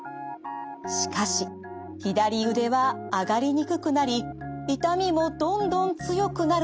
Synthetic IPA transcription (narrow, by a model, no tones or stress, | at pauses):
ɕi̥kaɕi | çid̪aɾʲiɯ̟d̪e̞βaːɡaɾʲiɲ̟ikɯ̟kɯ̟naɾʲiit̪amʲimo̞d̪õ̞nd̪õ̞nt͡sɨjo̞kɯ̟naɾ